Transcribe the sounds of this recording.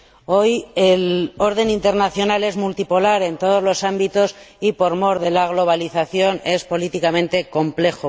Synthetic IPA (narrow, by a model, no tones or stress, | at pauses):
o̞jelo̞ɾð̞e̞nint̪e̞ɾnaθjo̞nale̞zmult̪ipo̞laɾe̞nt̪o̞ð̞o̞zlo̞sambit̪o̞sipo̞ɾmo̞ɾðe̞laɣ̞lo̞β̞aliθaθjo̞ne̞spo̞lit̪ikamẽ̞nt̪e̞ko̞mple̞xo